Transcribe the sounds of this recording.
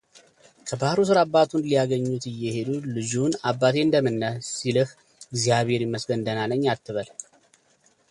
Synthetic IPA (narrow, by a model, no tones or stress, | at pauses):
kʰəbahɾus̬ɨɾabːat̪ʰunlijaɡəɲːut̪ɨjːɛhe̞d̪ulɨd͡ʒunabːat̪ʰe̞ɨnd̪əmɨnːəsilɨh | ɪɡzijaβhe̞ɾjɪmːəsɡənd̪ənaləɲːat̪ːɨβəl